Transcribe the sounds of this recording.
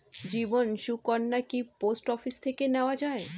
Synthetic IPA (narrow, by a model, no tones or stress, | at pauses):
d͡ʑibonʃukɔnːakiposʈɔfist̪ʰekeneoad͡ʑae